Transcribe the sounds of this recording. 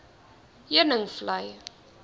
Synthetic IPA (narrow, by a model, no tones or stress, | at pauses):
jiənəŋflɐj